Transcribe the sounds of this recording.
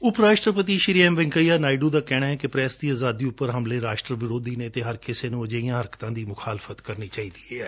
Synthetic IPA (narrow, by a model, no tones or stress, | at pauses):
ʊpɾaːʃʈɾəpət̪iːʃɪɾiɛ̃ːmʋɪ̃ŋkəjaːnaːiɖuːd̪aːkɛːɽ̃aːɛːkɪpɾɛːsd̪iːaːzaːd̪iːʊpːəɾɦəmleːɾaːʃʈɾəʋɪɾoːd̪iːneːt̪eːɦəɾkɪseːnũːəd͡ʒəːijãːɦəɾkt̪ãːd̪iːmʊxʰaːlɪfət̪kəɾniːt͡ʃaːiːd̪iːeːɛː